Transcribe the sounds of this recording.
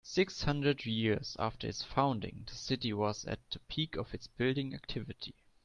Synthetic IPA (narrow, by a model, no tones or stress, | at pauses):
sɪkshʌ̃ndɹədjɪɹza̰ftə̰˞ɨsfãʊ̃ndɪ̰̃ŋðəsɪtiwʌzɨ̰t̚ðəpʰikʰɔvɨtsb̥ɪldɪ̃ŋæ̰k̚tʰɪvɨtʰi